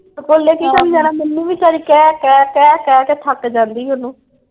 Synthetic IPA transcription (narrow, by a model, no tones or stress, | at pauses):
koːlːeːkiːkabiːd͡ʒaːnamɪnːiːʋiːt͡ʃaːɾiːkɛːkɛːkɛːkɛːkɛːt̪ʰəkd͡ʒãːnd̪iːʊnũː